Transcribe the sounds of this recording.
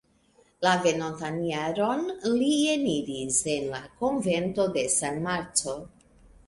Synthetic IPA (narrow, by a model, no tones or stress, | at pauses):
lave̞nontanjaɾo̞nlieniɾise̞nlako̞nvento̞de̞sanmaɾt͡so̞